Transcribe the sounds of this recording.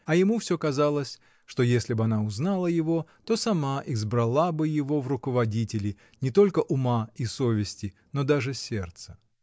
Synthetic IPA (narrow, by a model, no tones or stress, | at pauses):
ɐjɪmufsʲokɐzalˠəsʲ | ʂt̪o̞jesʲlʲɪbɨɐnaʊznalˠəjɪvo̞t̪o̞sɐmaʔɪzbɾɐlˠabɨjɪvo̞vrʊkəvɐdʲitʲɪlʲɪ | nʲɪt̪o̞lʲkəʔʊmaiso̞vʲɪsʲtʲɪ | no̞d̪aʐɨsʲe̞rt̪sə̥